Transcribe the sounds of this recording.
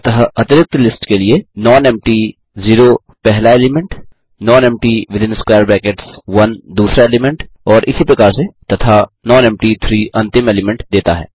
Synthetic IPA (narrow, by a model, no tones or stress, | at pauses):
t̪ɐɦaɐt̪ɪɾɪk̚t̪lɪsʈkelienɔːnɛ̃mʈi | ziːɾo | pɛɦlaeːlɪmɛ̃ɳʈ | nɔːnɛ̃ːmʈiʋɪd̪ʱɪ̃nskwaːəɾbɛ̃ːkeʈsʋɐnd̪uːsɾaeːlɪmɛ̃ɳʈ | ɔːɾʔɪsipɾɐkaːɾset̪ɐt̪ʰanɔ̃ːnɛ̃mʈit̪ʰɾiːʔɐ̃nt̪ɪmɛːlɪmɛ̃ɳʈd̪eːt̪aɦɛ̰ː